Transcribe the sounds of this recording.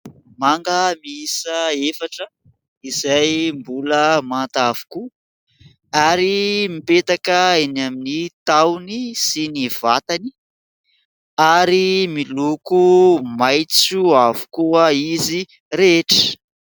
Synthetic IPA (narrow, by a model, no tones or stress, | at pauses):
maŋɡəmiisəefaʈ͡ʂə | izajmbuləmant̪avu̥ku | aɾimipet̪akəenaminit̪awnisiniv̥at̪ani̥ | aɾimilukumajt͡suavu̥kuəizi | ɾeʈ͡ʂə̥